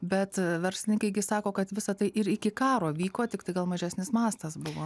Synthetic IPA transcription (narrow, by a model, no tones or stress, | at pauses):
bʲɛt̪ʋʲɛɾʲsʲlʲɪnʲɪŋkɐɪɡʲɪsɑːkoːkɐt̪ʋʲɪsɐt̪ɐɪʔɪɾɪkʲɪkɑːɾoːʋʲiːkoːt̪ʲɪktɐɪɡɐlˠmɐʒʲæsʲnʲɪsmɑːst̪ɐsbʊʋoː